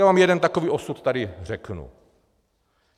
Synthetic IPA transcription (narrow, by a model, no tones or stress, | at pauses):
avaːmjɛdɛnt̪akoviːʔo̞sut̪t̪adɪrɛknṵ